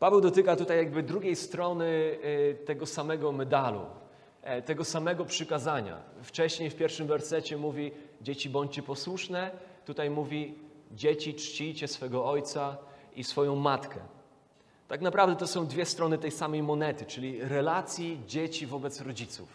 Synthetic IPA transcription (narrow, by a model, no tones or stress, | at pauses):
pavɛwd̪ɔt̪ɘkat̪ut̪ajːjaɡ̚bɘd̪ɾuɡʲejst̪ɾɔnɘt̪ɛɡɔsamɛɡɔmɛd̪alṵ | t̪ɛɡɔsamɛɡɔpʂɘkazaɲa̰ft͡ʂɛɕɲejfpʲjɛɾfʂɘmvɛɾsɛt͡ɕɛmuvʲid͡ʑet͡ɕibɔɲt͡ɕt͡ɕɛpɔswuʂnɛt̪ut̪ajmuvʲid͡ʑet͡ɕit͡ʂt͡ɕijt͡ɕɛsfɛɡɔɔjt̪saisfɔjɔ̃w̃mat̪kɛ̰ | t̪aknapɾavd̪ɛt̪ɔsɔ̃w̃d̪vʲjɛst̪ɾɔnɘt̪ɛjsamɛjmɔnɛt̪ɘt͡ʂɘlʲiɾɛlat̪sʲjid͡ʑet͡ɕivɔbɛt̪sɾɔd͡ʑit̪sṵf